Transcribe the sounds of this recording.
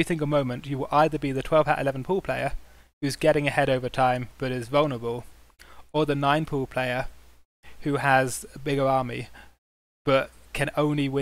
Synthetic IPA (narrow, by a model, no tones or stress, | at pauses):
ɨθɪ̃ŋkəmõʊ̃mɨ̃nt͡ʃɨwɪlˠʔaɪðəbiðɨtʰw̥ɛlˠv̥a̰ʊʔɪ̰lɛvn̩pʰɔlˠpʰl̥eɪə˞ | hʉzɡɛɾɪ̃ŋɨhɛɾoʊvə˞tʰãɪ̃mb̥ʌɾɪzvʌlˠnə˞əbəlˠ | əðənãɪ̃npʰɔlˠpʰl̥eɪə˞ | hʉəzəbɪɡə˞ɑɹmḭ | b̥ʌt̚kʰɨ̃nõʊ̃nliwɪ̃